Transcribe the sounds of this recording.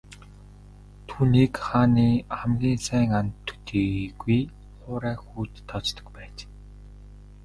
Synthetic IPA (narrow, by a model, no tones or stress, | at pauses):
t̪ʰuːniːkχaːniːχæmɡʲiːnsæːŋant̪ʰːɵ̥t̪ʰeːɡuj | χʊːɾæːxuːt̪ʰːɔt͡ɕt̪ɞ̆kpæːt͡ɕ